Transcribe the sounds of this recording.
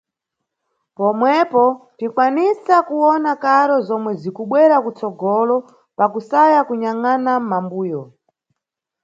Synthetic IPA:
pɔmwɛpɔtikwanisakuwɔnakaɾɔzɔmwɛzikuɓwɛɾakut͡sɔɡɔlɔ | pakusajakuɲaŋanamambuːjɔ

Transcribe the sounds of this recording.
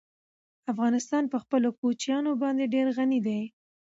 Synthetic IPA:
afɣɑnɪst̪ɑnpəxpəlokot͡ʃjɑnobɑnd̪eɖeɾɣanid̪aj

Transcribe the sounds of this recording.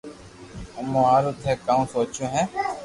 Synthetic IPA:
əmõːaːɾoːt̪ʰeːkaːũːsoːt͡ʃõːɦɛ̃ː

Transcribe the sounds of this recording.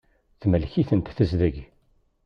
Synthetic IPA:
θməlçiθənt̪θəzðəʝ

